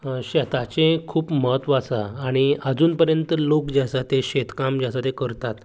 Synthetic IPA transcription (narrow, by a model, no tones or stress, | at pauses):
ɕɛt̪at͡ɕẽkʰuːpməɦət̪ʋat͡saːɽ̃iəd͡zuːnpəɾjənt̪əlokd͡ʑasat̪eɕet̪kamd͡ʑasat̪ekəɾt̪at̪